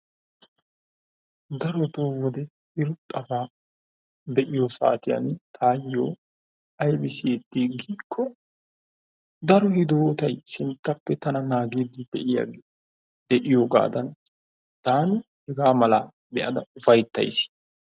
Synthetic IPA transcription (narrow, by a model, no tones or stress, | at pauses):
d̪ɐɾɔt̪oːwɔd̪ɛ | ɪɾʊt̪ʼːɐfaː | d̪ɛʔɪjosa̰ːt̪ɪjɐ̰nt̪ʰaːjːo̰ː | ɐjbɪsɪjɛt̪ːiːɡiːkʰːɔ | d̪ɐɾɔhɪd̪oːt̪ɐjsɪnt̪ːɐpːɛt̪ɐnɐnaːɡiːd̪ɪd̪ɛʔɪja̰ɡ | d̪̥ɛʔɪjoɡa̰ːd̪ɐn | t̪aːnɪ | hɛɡaːmɐlaː | bɛʔɐd̪ɐʊfɐjt̪ːɐ̰js